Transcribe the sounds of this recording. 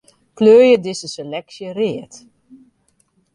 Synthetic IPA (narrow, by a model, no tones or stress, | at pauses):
kløːjədɪsəselɛksjərɪət